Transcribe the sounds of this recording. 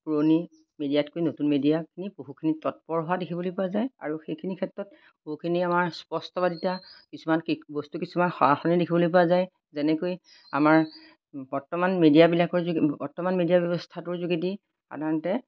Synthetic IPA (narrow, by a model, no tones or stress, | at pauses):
pɹoni | medijatkojnotunmedijakʰinipoɦukʰinitɔt̚pɔɹɦoadekʰibolojpʊwazaja̰ɹuxejkʰinikʰɛtːɹɔt̚ | poɦukʰiniamaɹspɔstɔbaditakisumanbɔstukisumanxɔaxɔnidekʰibolojpɔazaj | zɛnɛkoj | a̰maɹ | bɔɹtɔmanmedijabilakɔɹzbɔɹtɔmanmedijabjɔbɔstʰatʊɹzuɡiti | xa̰daɹɔntɛ